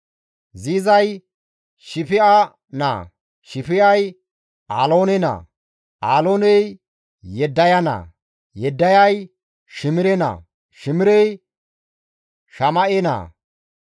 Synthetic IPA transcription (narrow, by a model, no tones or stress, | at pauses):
ziːzɐj | ʃɪfɪa | na̰ | ʃɪfɪɐj | aːloːnɛnɐ̰ | aːloːnɛj | jɛd̪ːɐjɐnɐ̰ː | jɛd̪ːɐjɐj | ʃɪmɪɾɛnɐ̰ː | ʃɪmɪɾɛj | ʃɐmɐʔɛnɐ̰ː